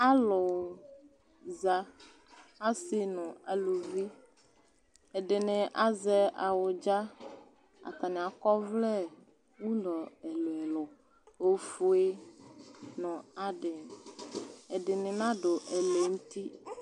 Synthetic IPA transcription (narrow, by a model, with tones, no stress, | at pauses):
a˦lɔ˨ | za˨ | a˦sɪ˦nɔ̃˨a˨lu˨vi˦ | ɛ˨ɖe˨nẽ˨ʔa˦zɛ˦ʔa˨wo˨d͡ʒa˦ | a̰˨t̪a˨nɛ̃˨a˨kɔ˦vlɛ˦ | wu˦lɔ˨ɛ˨lo˨ɛ˨lɔ˨ | o˨˦fu˦e˦ | nɔ̃˨a˨ɖe˨ | ɛ˨ɖɪ˨nɪ̃˨nã˦ɖo˨ʔɛ˨le˨ŋũ˦t̪i˦